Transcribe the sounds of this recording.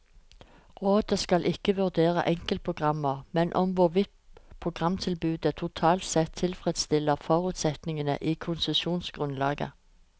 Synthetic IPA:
ʁoːd̪əskɑlʔɪkːəʋʉʁd̪eːʁə̰ʔɛŋkəl̚pʰʊɡ̥ʁɑmːəʁmɛnʔɔmʋʊʁʋɪt̪pʰʁʊɡʁɑmt̪ʰɪlbʉːd̪ət̪ʰʊt̪ʰɑːlt̪sɛt̪ʰːɪlfʁɛd̪st̪ɪlːəʁfɔʁʉːt̪sɛt̪nɪŋənə̰ʔiːkʰʊnsəʃuːnsɡ̥ʁʉnlɑ̰ːɡə̰

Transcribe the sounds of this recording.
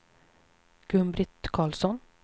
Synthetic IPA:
ɡ̥ʉmbɾɪt̪kʰɑːlsɔn

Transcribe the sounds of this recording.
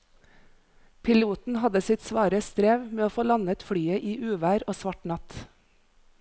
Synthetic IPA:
pʰɪluːt̪n̩hɑd̪əsɪt̪sʋɑːɾəst̪ɾeːʋmeːoːfoːlɑnət̪fɽyːəʔiːʔʉːʋæːɾoːsʋɑʈnɑt̪

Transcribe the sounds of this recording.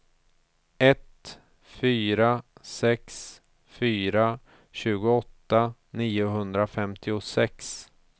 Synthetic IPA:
ɛt̪ | fyːɾasɛks | fyːɾa | ɕʉ̟ːɡʊɔt̪ːaniːʊɦɵnd̪ɾafɛmt̪ʰɪʊsɛks

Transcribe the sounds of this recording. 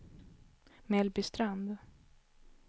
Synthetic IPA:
mɛlbɪst̪ɾand̪

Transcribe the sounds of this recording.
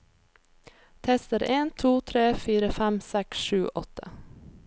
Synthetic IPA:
t̪ʰɛst̪əɾeːnt̪ʰuːt̪ʰɾeːfiːɾəfæmsɛksʃʉːʔɔt̪ʰə̰

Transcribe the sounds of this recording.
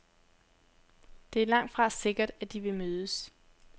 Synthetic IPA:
d̥e̝æɐlɑ̈ŋ̰d̥fʁɑ̈se̝ɡ̥ɐd̥æd̥iʋe̝møːðˠəs

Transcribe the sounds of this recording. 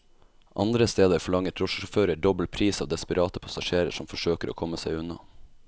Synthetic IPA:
ʔɑ̰nd̪ɾəst̪eːd̪əɾfɔɭɑŋət̪ʰɾɔʃəʃʊføːɾəɖɔbəl̩pʰɾiːsɑːʋd̪ɛspəɾʔɑːt̪əpʰɑsɑʃeːɾə̰ʂɔmfɔʂøːkəɾo̰ːkʰɔməsæɪʉnɑ̰

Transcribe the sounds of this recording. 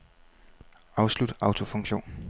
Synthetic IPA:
ɑ̈ʊslud̥ɑ̈ʊt͡sʰo̝fɔ̽ŋɕo̝̰ːn

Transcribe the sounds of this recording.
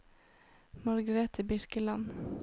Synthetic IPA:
mɑɾɡəɾɛt̪ʰiːbɪɾkəlɑn

